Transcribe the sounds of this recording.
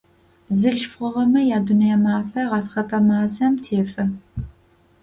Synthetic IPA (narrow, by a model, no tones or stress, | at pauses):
zɨɮfχʷʊʁɐmɐjaːdunɐjɛmaːfɐʁɑtχɐpʰɐmaːzɐmtʰeːfɐ